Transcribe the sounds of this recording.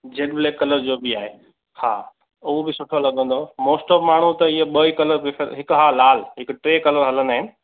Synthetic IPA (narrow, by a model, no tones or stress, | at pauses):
d͡ʑeːɗbɪleːkɐləɾd͡ʑoːbɪaːɦeː | ha̰ː | ʊobɪsʊʈʰolɐɠə̃n̆d̪omoːsʈɔːbmaːɳ̤ut̪ɐɪɦeɓɐikɐləɾbɪfʰeɾɦɪkɦaːlːaːl̤ɦɪkʊʈɾeːkɐləɾɦɐlənaːɦɪnɪ̆